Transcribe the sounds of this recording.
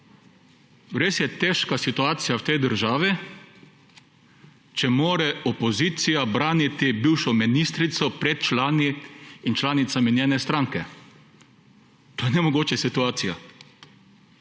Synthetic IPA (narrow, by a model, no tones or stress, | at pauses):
ɾeːsjɛt̪ɛːʃkasit̪uaːt̪sijawt̪ɛjd̪əɾʒaːʋi | t͡ʃɛmoːɾɛɔpɔziːt̪sijabɾaːnit̪ibiːwʃɔminist̪ɾit̪sɔpɾɛt̪̚t͡ʃlaːniːnt͡ʃlaːnit̪saminjeːnɛst̪ɾaŋkɛ | t̪oːjɛnɛmɔɡoːt͡ʃɛsit̪uaːt̪sija